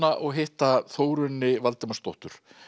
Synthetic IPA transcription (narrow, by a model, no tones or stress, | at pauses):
aʔɔɣɦɪht̪aθoːwɾʏnːɪvalt̪ɪmast̪ɔht̪ʏɾ̥